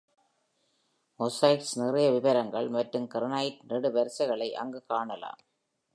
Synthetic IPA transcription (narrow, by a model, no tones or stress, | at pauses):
ɔsɐɪʈsnɪrɐjɐʋɪʋɐɾɐŋɡɐɭmɐʈrɯmkɪɾɐnaːjɪʈ̚nɪɽɯʋɐɾsɐɪɣɐɭɐɪʔɐ̰ŋɡɯkaːɳɐla̰ːm